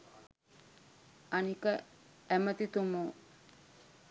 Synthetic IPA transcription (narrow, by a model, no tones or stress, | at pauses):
anikə | ɛmət̪it̪umo